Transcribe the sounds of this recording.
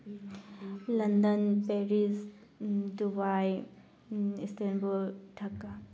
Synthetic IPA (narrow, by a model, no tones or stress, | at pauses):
lɐndɐnpeɾis | dubaj | istenbulʈʰɐkːa